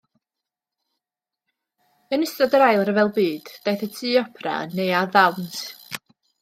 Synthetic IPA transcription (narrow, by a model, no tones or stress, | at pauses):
ənɪstɔdəɾajlˠəɾəvɛlˠbɨːd̥d̥ajθətʰɨːɔpʰra̰ə̰nːejaðawntʰ